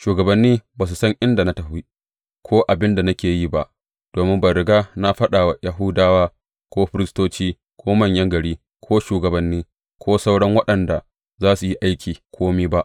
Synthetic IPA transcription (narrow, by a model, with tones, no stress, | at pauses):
ʃuː˨ɡɐ˨bɐ˦nːiː˦baː˨s̬u˨sɐ˦ŋʔɪ˦nda˨na˦tɐ˨ɸiː˦ | kʷʰoː˦ʔa˨bɪ˦nda˨na˦kʲeː˨ji˦ba˦ʔ | d̥oː˨mɪ˦mbɐ˨ɾɪ˨ɡaː˦na˦ɸɐ˦ɗaː˨wa˨ja˨ɦʊ˦daː˦waː˦ | kʷoː˦ɸɪ˦ɾɪ˦stoː˦t͡ʃiː˦ | kʷʰoː˦mɐ˦˨ɲjɐ˦ŋɡɐ˨ɽiː˦ | kʷʰoː˦ʃuː˨ɡɐ˨bɐ˦nːiː˦ | kʷʰoː˦sɐ˦wɽɐ˦ŋwɐ˦ɗɐ˨nda˨ | zaː˦su˨ji˦ʔa˦jkʲʰiː˨kʷʰoː˦miː˦ba˦ʔ